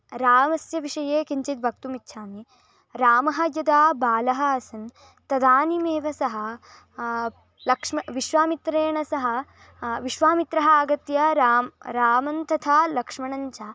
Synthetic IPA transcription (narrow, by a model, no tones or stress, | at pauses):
ɾaːmɐsjɐʋiʂɐjeːkiɲt͡ʃit̪̚bʱɐk̚t̪umitːʃʰaːmi | ɾaːmɐɦɐ̆jɐd̪aːbaːlɐɦɐːsɐn | t̪ɐd̪aːnimeːʋɐsɐɦɐ̆ | lɐkʂmɐʋiʃʋaːmit̪ɾeːɳɐsɐɦɐ̆ | ʋiʃʋaːmit̪ɾɐɦɐaːɡɐt̪jɐɾaɾaːmɐnt̪ɐt̪ʰaːlɐkʂmɐɳɐɲt͡ʃaː